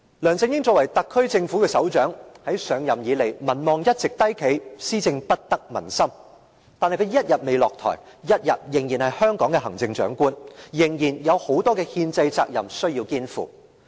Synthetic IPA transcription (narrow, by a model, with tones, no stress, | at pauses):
lœː˨˩ŋt͡sɪ˧ŋjɪ˥ŋt͡sɔː˧˨kwɐ˨˩jt̪ɐ˨kʰːɵ˥ɥt͡sɪ˧ŋfuː˨˥kɛː˧sɐ˨˥wt͡ʃœː˨˥ŋhɐ˨˥jsœː˨˧ŋjɐ˨mjiː˨˧le˨˩jmɐ˨˩nmɔː˨ŋjɐ˥t̚t͡sɪ˨k̚t̪ɐ˥jkʰe˨˧jsiː˥t͡sɪ˧ŋpɐ˥t̚t̪ɐ˥k̚mɐ̰˨˩nsɐ˥m | t̪aː˨nhɐ˨jkʰːjɐ˥t̚jɐ˨t̚me˨jlɔː˨k̚t̪ʰɔ̰˨˩j | jɐ˥t̚jɐ̰˨t̚jɪ˨˩ŋjiː˨˩nhɐ˨jhœː˥ŋkɔː˨˥ŋkɛː˧ɦɐ˨˩ŋt͡sɪ˧ŋt͡ʃœ̰ː˨˥ŋkuː˥njɪ˨˩ŋjiː˨˩njɐ˨˧who˨˥wt̪ɔː˥kɛː˧hiː˧nt͡sɐ˧jt͡sa̰ː˧k̚jɐ̰˨˩msɵ˥ɥjiː˧wkiː˥nfṵː˨˩